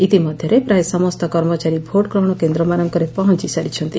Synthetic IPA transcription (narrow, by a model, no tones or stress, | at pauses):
it̪imɔd̪ʱjɔɾepɾaesɔmɔst̪ɔkɔɾmɔt͡ʃaɾibʱoɽkɾɔɽ̃ɔkend̪ɾɔmaɾɔŋkɔɾepɔɦɔnt͡ʃisaɾit͡ʃʰɔnt̪i